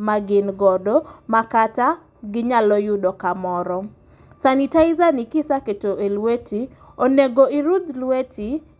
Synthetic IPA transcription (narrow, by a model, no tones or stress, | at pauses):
maɡɪnɡɔdɔmakata | ɡɪɲalɔjʊdɔkamɔɾɔ | sanɪtaɪzanikɪsaketoʔelweti | oneɡoɪɾud̪lwetʰi